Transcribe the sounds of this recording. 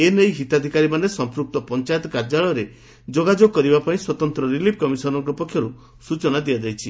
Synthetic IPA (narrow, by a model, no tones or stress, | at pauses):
enejɦit̪ad̪ʱikaɾimanesɔmpɾuk̚t̪ɔpɔnt͡ʃajt̪ɔkaɾd͡ʒaɭɔɾe | d͡ʒoɡad͡ʒoɡ̚kːɔɾibapaĩswɔt̪ɔnt̪ɾɔɾilip̚ʰkɔmisɔɾɔŋkɔpɔkʰːjɔɾu | sut͡ʃɔnad̪ijad͡ʒajt͡ʃʰi